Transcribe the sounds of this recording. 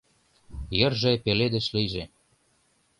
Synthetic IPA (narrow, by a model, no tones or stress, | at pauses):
jə̆rʒĕpeled̪ə̆ʃlijʒe